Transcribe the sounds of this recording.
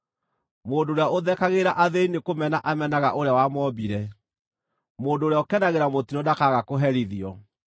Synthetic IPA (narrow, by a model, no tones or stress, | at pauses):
moːndoːɾeaoðɛkaɣeɾaʔaðeinekomɛnaʔamɛnaɣaʔoɾeawamɔbiɾɛ | moːndoːɾeaɔkɛnaɣeɾamotiɔdakaɣakoɦɛɾiðiɔ